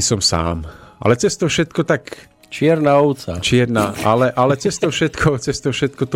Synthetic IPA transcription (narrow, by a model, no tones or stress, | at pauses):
isɔmsa̰ːmʔa̰lɛt͡sɛst̪ɔfʃɛt̪̚kɔt̪ak | t͡ʃɪɛɾnaɔwt͡sa̰t͡ʃɪɛɾnaːʔalɛʔalɛt͡sɛst̪ɔfʃɛt̪kʰɔt͡sɛst̪ɔfʃɛt̪̚kɔt̪